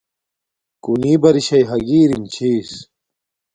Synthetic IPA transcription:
kuniːbɐɾiɕɐjɦɐɡiːɾimt͡ɕʰiːs

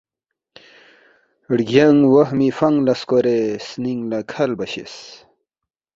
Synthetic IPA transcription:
ɽɡɐŋɡwɐhmifɐŋɡlɐskoɾesniŋɡlakʰɐlbɐɕḭs

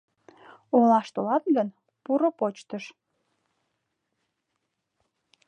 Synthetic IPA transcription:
olɑʃt̪olɑt̪ɡən | puɾopot͡ɕt̪əʃ

